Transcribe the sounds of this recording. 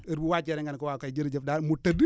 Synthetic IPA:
əɾbuwat͡ʃeɾɛŋɡankowakajd͡ʒiɾd͡ʒəfdaɾmutːadi

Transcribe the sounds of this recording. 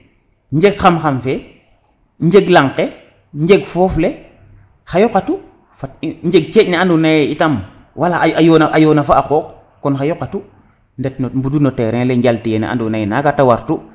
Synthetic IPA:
ɲd͡ʒeɡxamxamfe | ɲd͡ʒeɡlaŋqe | ɲd͡ʒeɡfoːfle | xajokatu | faɲd͡ʒeɡ̚t͡ʃecneandunajeitam | walajonaʔajonafaaxok | konxajokatu | ndetnombudunoteɾẽŋleɲɟaltijenḛʔa̰ndunajenaɡatawaɾtu

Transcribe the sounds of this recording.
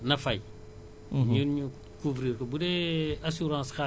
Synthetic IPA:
nafaj | ɲuɲu | kuvɾiːɾkəbudeasuɾãːska

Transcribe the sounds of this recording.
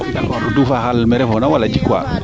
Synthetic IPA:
aodufakalmɛɾɛfɔnawalad͡ʒikwa̰

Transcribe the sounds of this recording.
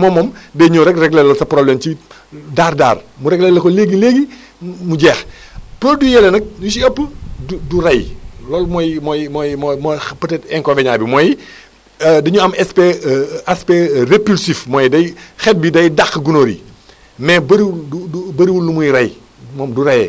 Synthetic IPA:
mɔmɔmdɐɲuɾɛkrɛɡlɛlːɐlsɐprɔblɛmt͡ʃi | daːrda̰ːrmuɾɛɡlɛlːɐkɔleɡileːɡi | muɟɛːxpoldujɛlɛnɐk̚ɲusiɐpːudurɐjlɔːlmɔjmɔjmɔjmɔmɔpɐtɛtɛŋkɔveɲabimɔji | dɐɲuɐmɛspeasperepulsifmɔːjdɐjxɛt̚bidɐjdaxɡunoːɾḭ | mɛbɐɾiuduubɐɾiwulːumujiɾɐj | mɔːmdurɐjɛ̰

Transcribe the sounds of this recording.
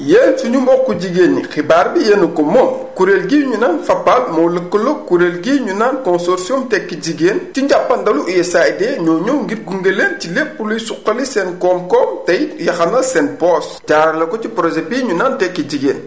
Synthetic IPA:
jeːnsuɲumɔkːuɟiɡeːnːixibaːɾbijenukɔmɔmkuɾelɡiɲunaːnfɐpːalmɔləkːəlɔkuɾelɡiːɲunaːnkɔnsɔɾsijɔmtɛkːiɟiɡeːntiɲɟapːɐndɐluʔijɛsajdɛːɲɔːɲɔwŋɡit̚ɡuŋɡeleːncilepulujsuqːɐlisɛnkɔmkɔːmtɐjjɐxɐnɐsɛnpɔs | ɟaːɾɐlɐkɔcipɾɔd͡ʒebiɲunaːntɛkːiɟiɡeːn

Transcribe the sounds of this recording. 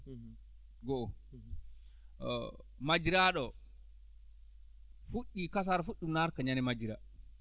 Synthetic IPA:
ɡɔʔɔ | mad͡ʒiɾaɗɔ | fuɗːikas̬aɾafuɗːumnaɾkaɲanɛmad͡ʒiɾa

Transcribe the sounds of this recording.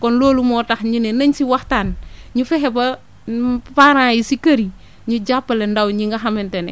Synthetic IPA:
kɔnloːlumoːtaxɲinenɐɲsiwaxtanɲufeɦebɐ | paɾajisikaɾi | ɲud͡ʒapːɐlendawɲiŋɡaɦamentenḛ

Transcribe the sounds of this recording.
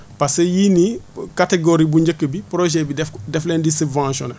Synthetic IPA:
pasejinikateɡoɾibuɲɟɐkːəbipɾoʒɛbidɛdɛflɛndisubvãːʃo̰nɐ

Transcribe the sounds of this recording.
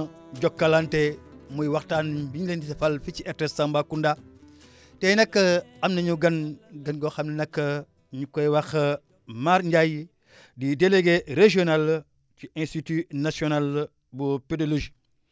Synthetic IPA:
ɟokːalantemojwaxtanbiɲlentitefalfit͡ʃietesambakunda | tenɐkːəamnɐɲuɡɐnɡɐnɡoxamnɐnɐkːə | ɲukojwax | maɾɲɟaji | dideleɡeɾeʒional | t͡ʃiẽnstitinasional | bupedoloʒi̥

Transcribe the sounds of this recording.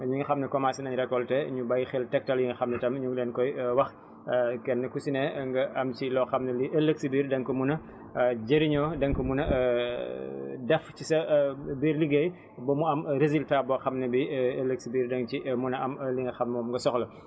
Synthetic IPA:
ɲuŋɡɐxɐmnɛkɔmasinɐɲɾɛkːɔltɛɲubɐjxeltɛk̚tɐljiŋɡɐxɐmnɛtɐmɲuŋlɛːnkɔjwɐx | kɛnːɐkusinɛŋɡɐʔɐmt͡ʃilɔxɐmnɐliʔɐlːəksibiːɾdɐŋkɐmunɐ | ɟeɾiɲɔːdɐŋkɐmunɐ | dɛfcisɐbiːɾliɡej | bɐmuɐmɾeziltaːbɔxɐmnɐbielːəksibiːrdɐŋt͡ʃimunɐɐmliŋɡɐxɐmnɔːmŋɡɐsɔxlɐ

